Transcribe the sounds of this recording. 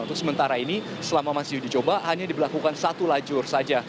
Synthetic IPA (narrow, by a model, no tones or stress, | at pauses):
ŋt̪ʊsəmənt̪aɾaini | səlamamasɪdit͡ʃobaɦaɲadibəlakukansat̪ulad͡ʒʊrsad͡ʒa